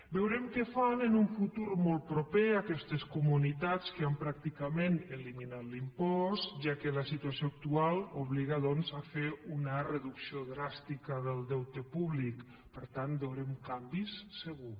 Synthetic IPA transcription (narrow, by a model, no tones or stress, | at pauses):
bewɾɛmkɛfanənuɱfut̪uɾmɔlˠt̪̚pɾopeakɛst̪eskumunit̪at͡skəampɾak̚t̪ikamenəliminat̪limpɔst̪ʒakələsit̪uasioak̚t̪ualˠuβliɣaðɔnzafeɾunərəðuksioðɾast̪ikəðəlˠd̪ɛwt̪epuβlik | pəɾt̪anbewɾɛmkambisːəɣ̞u